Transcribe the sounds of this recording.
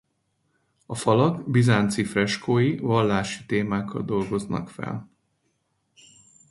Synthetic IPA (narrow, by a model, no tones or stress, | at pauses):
ɒfɒlɒɡbizaːnt̪sifrɛʃkoːjivɒlːaːʃi̥t̪eːmaːkːɒ̰ld̪o̞lɡo̞znɒ̰kfɛ̰l